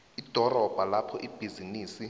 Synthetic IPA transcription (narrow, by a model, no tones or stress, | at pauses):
id̥ʱɔrɔb̥ʱalapʰɔʔib̥ʱiziniːsi